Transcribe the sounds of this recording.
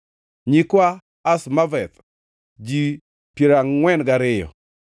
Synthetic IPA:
ɲikwaː | smavɛt̪ | d͡ʒi | piɾaŋːwɛnɡaɾɪjɔ̰

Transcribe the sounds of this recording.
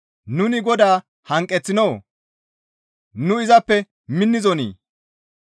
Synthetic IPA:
nʊnɪɡɔd̪aː | hɐŋkʼːɛt͡sːɪnow | nʊɪzɐpːɛ | mɪnːɪzɔnḭː

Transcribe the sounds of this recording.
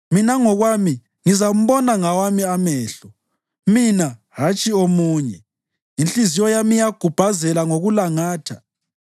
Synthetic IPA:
minaŋɔɣwami | ŋizam̩βɔnaŋawamiamɛːɬɔ | mina | ɦat͡ʃʼiomuːɲɛ | int͡ɬʼizijɔjamijaɡ̥ʱub̥ʱazɛlaŋoɣulaŋaːtʰa

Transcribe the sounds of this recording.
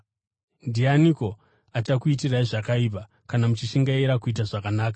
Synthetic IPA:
ndianiko̞ | at͡ʃakuitiraiʐakaip̬a | kanamut͡ʃiʃiŋɡaiɾakuit̬aʐakanaːkḁ

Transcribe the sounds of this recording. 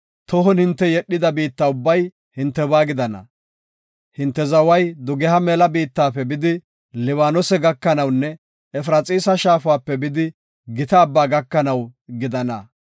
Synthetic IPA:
t̪ɔɦɔnhɪnt̪ːɛjɛɗːɪd̪ɐbiːt̪ːaːʊbːɐj | hɪnt̪ːɛbaːɡɪd̪ɐnɐ̰ | hɪnt̪ːɛzɐwɐjd̪ʊɡɛhɐmɛlɐbiːt̪ːaːpːɛbɪd̪ɪ | lɪwaːnɔsɛɡɐkːɐnɐwnːɛ | ɛfɾɐt͡sʼiːsɐʃaːfʊwaːpːɛbɪd̪ɪ | ɡɪt̪ɐːbːaːɡɐkːɐnɐwɡɪd̪ɐnɐ

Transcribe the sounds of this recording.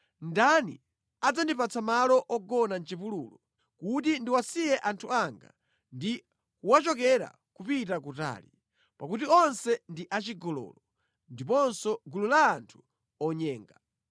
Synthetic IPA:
ndanḭ | ad͡zandipat͡sʰamalɔʔɔɡɔnant͡ʃipulṵːlɔ | kut̬indiwasijɛʔantʰuaŋɡa̰ | ndi | kuwat͡ʃɔk̬ɛɾa̰ | kupitakuta̰ːli | pakutiɔnsɛndiʔat͡ʃiɡɔlɔ̰lɔ | ndipɔnsɔɡululaːntʰu̥ | ɔɲɛːŋɡa

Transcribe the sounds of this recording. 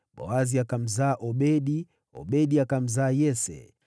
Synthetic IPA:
ɓɔ̰waziakam̩zaːʔɔɓɛɗi | ɔ̰ɓɛɗiakam̩zaːjɛsɛ̰

